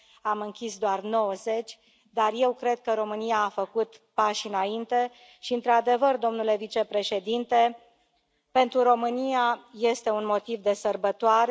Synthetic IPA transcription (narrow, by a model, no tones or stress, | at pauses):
amɨŋkʲisd̪oarno̞wəze̞t͡ʃʲ | d̪arje̞wkɾe̞d̪̚kəɾo̞mɨniaːfəkut̪paʃɨnaint̪e̞ | ʃiɨnt̪ɾad̪e̞vərd̪o̞mnule̞vit͡ʃe̞pɾe̞ʃe̞d̪int̪e̞ | pe̞nt̪ɾuɾo̞mɨniaje̞st̪e̞unmo̞t̪ivd̪e̞sərbət̪oaɾe